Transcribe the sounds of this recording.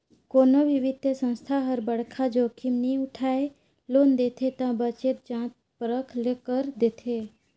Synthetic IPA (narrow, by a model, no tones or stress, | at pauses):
koːnoʋɪʋɪd̪sə̃nst̪ʰaɦəɾbəɽkʰad͡ʒoːkʰimnĩʊʈʰaːe | loːnd̪eːt̪ʰet̪ãbət͡ʃet̪̚d͡ʒãːt̪ | pəɾəkʰleːkəɾd̪eːt̪ʰe